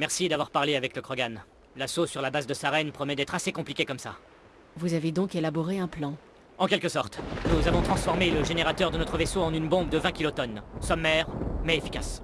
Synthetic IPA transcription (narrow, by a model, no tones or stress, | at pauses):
mɛʁsid̪avwaʁpaʁleavɛkləkχɔɡan | lasosyʁlabazd̪əsaʁɛnpχɔmɛd̪ɛt̪χasekɔ̃plikʲekɔmsa̰ | vuzaved̪ɔ̃kelabɔʁeɛ̃plɑ̃ | ɑ̃kʲɛlkəsɔʁt̪nuzavɔ̃t̪χɑ̃sfɔʁmeləʒeneʁat̪œʁd̪ənɔt̪χəvesoɑ̃nynbɔ̃bd̪əvɛ̃kʲilot̪ɔnsɔmɛʁmɛefi̥kas